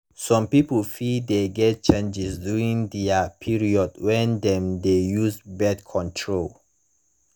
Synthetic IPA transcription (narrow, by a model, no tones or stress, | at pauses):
sɔ̃mpipəlfideɡɛt̚t͡ʃẽnd͡ʒisduĩŋdɛapʰiɹiɔdwɛ̃ndɛ̃mdejuzbɛdkʰɔ̃ntʰɹol